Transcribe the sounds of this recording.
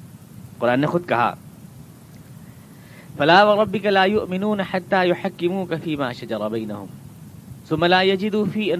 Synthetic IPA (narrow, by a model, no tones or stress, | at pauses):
qʊɾˤʔaːnːexʊd̪̚ka̰ɦa̰ː | falaːwɪɾˤɑbːɪkalaːjʊʔmɪnuːnaħat̪ːaːjʊħakːɪmuːkafiːmaːʃad͡ʒɑɾˤɑbajnahʊ̰m | θʊmːalaːjad͡ʒɪd̪uːfiːʔa